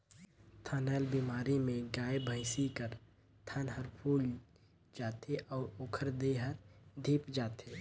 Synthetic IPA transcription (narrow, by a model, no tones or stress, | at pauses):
t̪ʰanɛːlbiːmaːɾimẽɡaːebʱə̃ɪsikəɾ | t̪ʰaːnɦəɾpʰuːl | d͡ʒaːt̪eʔɔːɾoːkʰəɾd̪eɦəɾd̪ʱiːpd͡ʒaːt̪eː